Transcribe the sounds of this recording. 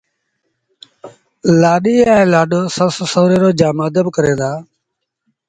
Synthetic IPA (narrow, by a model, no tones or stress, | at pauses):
laːɗiːaːeːlaːɗoːsəssoːɾeːɾoːd͡ʒaːmaːd̪əbkəɾeːd̪aː